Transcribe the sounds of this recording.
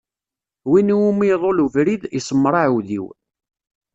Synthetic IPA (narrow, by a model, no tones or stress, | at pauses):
winumiðˤoluvɾiðisˤəmːɾˤɑʕwðḭw